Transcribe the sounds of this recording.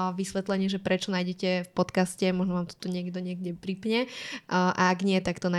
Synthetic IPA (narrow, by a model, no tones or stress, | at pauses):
ʋisʋɛt̪lɛɲɪɛʒɛpɾɛt͡ʃɔnajɟɛcɛfpɔt̪kascɛmɔʒnɔʋaːmt̪ɔ̥t̪uɲɪɛɡd̪ɔɲɪɛɡɟɛpɾipɲɛ | ʔaaɡɲɪɛt̪akt̪ɔna